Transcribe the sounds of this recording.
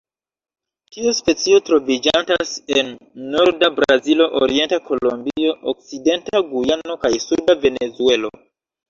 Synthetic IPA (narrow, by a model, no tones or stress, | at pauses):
tiuspe̞t͡sio̞tɾo̞vid͡ʒantase̞nːo̞ɾdabɾazilo̞ʔoɾie̞ntako̞lombio̞ʔok̚side̞ntaɡujano̞kajsudave̞ne̞zue̞lo̞̰